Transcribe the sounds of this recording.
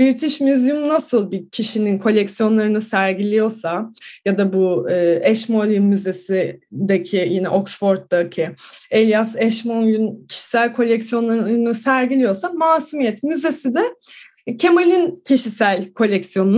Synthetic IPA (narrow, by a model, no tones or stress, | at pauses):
biɾt̪ʰiʃmyzjymnasɯlˠbicʰiʃininkʰo̞lʲɛcksijo̞nlˠaɾɯnɯsæɾɟilʲijo̞ɾsajad̪abuːɛʃmolʲinmyze̞sid̪acʰijinɛ̰ʔo̞ksfo̞ɾt̪̚ːacʰielʲjasɛʃmolʲyncʰi̥ʃi̥sælʲkʰo̞lʲɛcsijo̞nlˠaɾɯnɯsæɾɟilʲijo̞samaːsumijɛt̪myze̞sid̪ɛ | cʰe̞molʲincʰiʃisælʲkʰo̞lʲɛcsijo̞nun